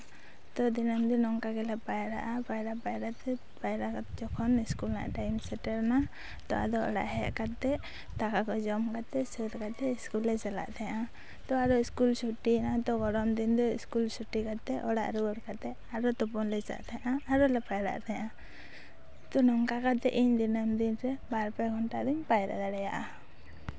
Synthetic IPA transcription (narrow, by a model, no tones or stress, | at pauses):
t̪ɔd̪inamd̪ɔnɔŋkakɛlɛpajɾa̰ʔapajɾaʔpajɾat̪ɛ | pajɾakat̪ɛd͡ʒɔkʰɔniskulna̰ʔʈajmsɛʈaɾna | t̪ɔ̰a̰d̪ɔɔ̰ɽa̰ʔɦɛʔkat̪ɛ | t̪akakɔd͡ʒɔmkat̪ɛsəɾkat̪ɛiskulːɛt͡ʃala̰ʔt̪ʰaɲãʔa | t̪ɔaɾɔiskulsuʈinat̪ɔɡɔɽɔmd̪ind̪ɔḭskulsuʈikat̪ɛʔɔɽa̰ʔɾuɽkat̪ɛ | aɾɔt̪ɔpɔnlɛt͡ʃa̰ʔt̪ʰaɲaʔaaɾɔlɛpajɾa̰ʔt̪ʰaɲʔa | t̪ɔnɔŋkakat̪ɛ̰ʔiɲd̪inamd̪inɾɛbaɾpɛɡʱɔnʈaʔd̪iɲpajɾa̰d̪aɽaja̰ʔa